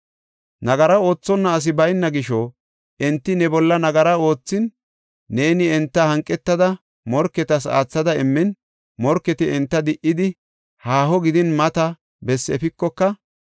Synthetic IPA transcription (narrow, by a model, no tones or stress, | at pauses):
nɐɡɐɾɐo̞ːt͡sːɔnːɐːs̬ɪbɐjnːɐɡɪʃɔ | ʔɛnt̪ːɪnɛbɔlːɐnɐɡɐɾɐo̞ːt͡sːɪnː | eːnɪɛnt̪ːɐhɐŋkʼːɛt̪ːɐd̪ɐ | mɔɾkːɛt̪ɐs̬a̰ːt͡sːɐd̪ɐɪmːɪn | mɔɾkːɛt̪ɪɛnt̪ːɐd̪ɪʔɪd̪ɪ | haːhɔɡɪd̪ɪnmɐt̪ɐ | bɛsːɛ̰fɪkːɔkːɐ